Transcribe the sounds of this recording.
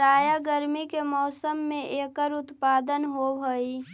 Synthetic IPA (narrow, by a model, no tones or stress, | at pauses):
aːjaɡəɾmikemɔːsəmːẽʔeːkəɾʊt̪paːd̪ənɦobʱoi